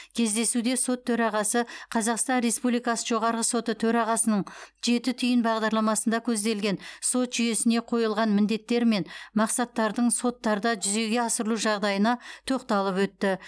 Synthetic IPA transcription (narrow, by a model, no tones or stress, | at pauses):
kʲʰe̞zd̪e̞sud̪e̞so̞t̪ʰːɵɾɑʁɑsəqʰɑzɑqst̪ɑnɾe̞spublijkɑsəʒo̞ʁɑɾʁəso̞t̪ət̪ʰɵɾɑʁɑsənəɴʒe̞t̪ɪt̪ʰʏjɪnbɑʁd̪ɑɾlˠɑmɑsənd̪ɑkʲʰɵzd̪e̞lɡʲe̞nso̞t̪ʒ̥ʏje̞sɪne̞qʰo̞jəlˠʁɑnmɪnd̪e̞t̪ːe̞ɾme̞nmɑqsɑt̪ːɑɾd̪əɴso̞t̪ːɑɾd̪ɑʒʏze̞ɡʲe̞ɑsəɾəlˠuʒɑʁd̪ɑjənɑt̪ʰoqt̪ɑlˠəpwɵt̪ːɪ